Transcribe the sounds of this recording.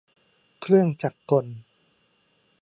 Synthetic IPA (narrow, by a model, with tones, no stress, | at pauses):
kʰɾɯ˥˩əŋt͡ɕaː˨˩kʰːo˧n